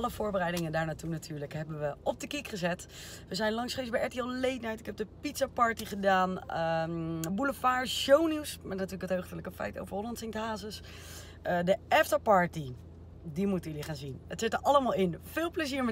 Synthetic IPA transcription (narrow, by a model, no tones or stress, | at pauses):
ɑləvʊːɹbərɛjdɪŋəndaːɹnaːtunatʰyːɹləkɦɛbənʋəɔb̚dəkikχəzɛt | ʋəzɛjnlɑŋsχejsbɛjɛtiɛlˠlejtnɛjtɪkɛb̚dəpitsapɑɹtiχədaːn | buləfaːɹʃowniwsmɛtnatyːləkətɦoɥχtələkəfɛ̰jto̰wvəɹɦolɔntsɪŋtɦaːzəs | dəɛftapɑɹti | dimutənjəliχaːnzinətsɪtəʔɑləmaːlˠɪnfɪːlˠpləziːɹmɛ